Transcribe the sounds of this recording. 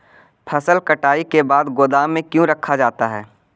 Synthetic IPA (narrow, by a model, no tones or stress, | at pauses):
pʰɐsəlkəʈaːikebaːd̪ɡoːd̪aːmːẽkjũɾɐkʰːad͡ʒaːt̪aɦɛː